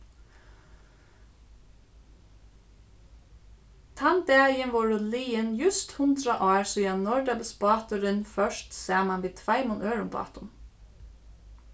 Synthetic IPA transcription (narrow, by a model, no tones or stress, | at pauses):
t̪ʰɑnd̪ɛːjənʋɔɹʊliːənjʉst̪hʉnd̪ɾɑʔɑːɹsujɑnnɔɖɑbəspɑːt̪ʊɾənfœʃtseːmɑnʋiːt̪ʰʋæɪmʊnʔøːɹʊmbɑ̰ːt̪ʊn